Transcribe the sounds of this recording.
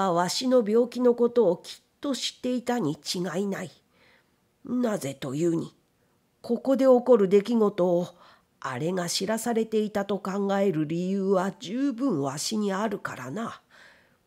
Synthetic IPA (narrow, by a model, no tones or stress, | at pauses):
aβaɕino̞bʲjo̞ːkʲino̞ko̞t̪o̞ːkʲʰi̥t̪ːo̞ɕi̥t̪ːe̞it̪aɲ̟it͡ɕiɡainai | naze̞t̪o̞jɯːɲ̟i | ko̞ko̞d̪e̞o̞ko̞ɾɯ̟d̪e̞kʲiɡo̞t̪o̞ː | a̰ɾe̞ŋaɕiɾasaɾe̞t̪e̞it̪at̪o̞kãŋɡae̞ɾɯ̟ɾʲijɯːβad͡ʑɨːbɯ̟̃ɰ̃βaɕiɲ̟iaɾɯ̟kaɾana